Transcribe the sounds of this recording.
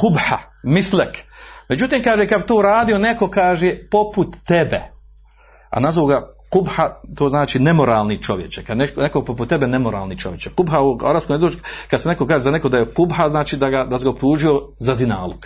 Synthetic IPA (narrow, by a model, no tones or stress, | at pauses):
qubha̰mislekme̞d͡ʑut̪iːmkaːʒekad̪bit̪oːɾaːd̪io̞ne̞ko̞kaːʒepo̞put̪ːebḛ | a̰nazoʋoɡaqubhat̪oːznaːt͡ʃiːnemo̞ɾaːlˠnit͡ʃo̞ʋje̞t͡ʃekad̪neknekopoput̪ːebenemo̞ɾa̰ːlnit͡ʃo̞ʋje̞t͡ʃequbɦaua̰ɾaːbskomjed̪od͡ʒkad̪senekokaːʒezanekod̪ajequbɦaznaːt͡ʃiːd̪aɡad̪as̬eɡaop̚t̪uːʒiozazina̰ːlˠuk